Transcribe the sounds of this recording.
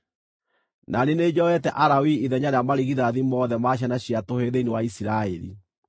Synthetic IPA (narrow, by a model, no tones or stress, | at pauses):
nanened͡ʑɔɛtɛʔaɾawiiðɛɲaɾeamaɾiɣiðaðimɔðɛmaɕ̬anaɕiatoheðeinewaisiɾaɛɾḭ